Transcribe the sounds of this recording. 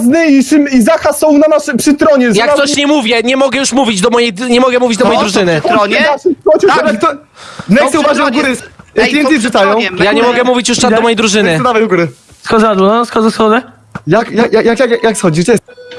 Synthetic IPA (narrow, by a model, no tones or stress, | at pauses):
znɪiʂɨmizaxasɔ̃w̃nanaʂɛpʂɨt̪ɾɔɲɛjaksɔɕɲɛmuvʲjɛɲɛmɔɡɛjuʂmuvʲid͡ʑd̪ɔmɔjej̪ɲɛmɔɡɛmuvʲid͡ʑd̪ɔmɔjd̪ɾuʐɘnɘɾɔɲɛnaʂɔt͡ɕɛt̪aakt̪ɔ | nɛt̪ɛvaʒɛɡuɾɪjavʲɛnʲiʂɨt̪ajɔ̃w̃jaɲɛmɔɡɛmuvʲit͡ɕjuʂt͡ʃɛdɔmɔjejd̪ɾuʐɘnɘd̪avɛjɡuɾɘ | skɔ̃zazɔaskɔzasxɔd̪ɛ | jakjakjajakjakajaksxɔd͡ʑiɡd͡ʑɛ